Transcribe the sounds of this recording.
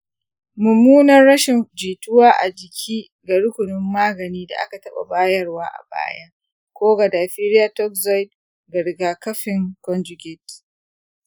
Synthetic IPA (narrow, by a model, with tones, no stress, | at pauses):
mʊ˨muː˦nɐ˦rːɐ˦ʃɪ˨nd͡ʒiː˨tʊ˦waː˦ʔa̰˨d͡ʒɪ˨kʲʰiː˦ | ɡa˨ɽʊ˦kʷʊ˨nɪ˦mːaː˦ɡɐ˨niː˦da̰˨ʔa̰˦ka˨tɐ˦ɓa̰˨baː˦jɐ˦rwaː˦ʔa̰˨ba̰ː˦jɐ˦ | kʷoː˦ɡa˨daː˨ɸi˦ɾɪ˦jaː˨tɔ˦kzɔ˦jd | ɡɐ˨ɽɡaː˨kɐ˦ɸɪ˨ŋkɔ˦nd͡ʒʊ˨ɡʲɪ˦˨t